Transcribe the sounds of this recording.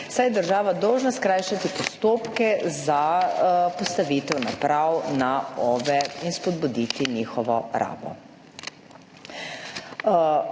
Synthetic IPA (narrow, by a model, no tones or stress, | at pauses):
sajɛd̪əɾʒaːʋad̪ɔwʒnaskɾajʃat̪ipɔst̪oːpkɛza | pɔst̪aʋit̪ɛwna̰pɾawnaɔbɛinspɔd̪̚bud̪iːt̪inixɔʋɔɾʔa̰ːbɔ̰